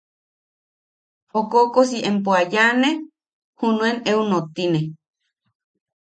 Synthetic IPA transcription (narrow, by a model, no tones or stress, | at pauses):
okokos̬iʔempoajane | hunũeneunot̪ine